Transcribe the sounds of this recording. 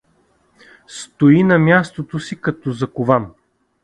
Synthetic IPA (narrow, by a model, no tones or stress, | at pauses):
st̪oinɐmʲjast̪ot̪osikɐt̪ɔzɐkʊvan